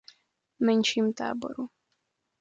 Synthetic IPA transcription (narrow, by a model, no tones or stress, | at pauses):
mɛnʃimt̪a̰ːbɔ̰ɾu